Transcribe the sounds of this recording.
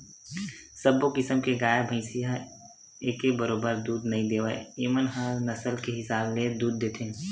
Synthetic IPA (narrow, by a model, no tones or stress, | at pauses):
səbokɪsəmkeɡaːjebʱə̃ɪsɪja | eːkebəɾoːbəɾd̪uːd̪nɐɦĩd̪eːʋa̰eemənɦaːɾnɐsəlkeɦɪsaːbled̪uːd̪̚ːeːt̪ʰẽ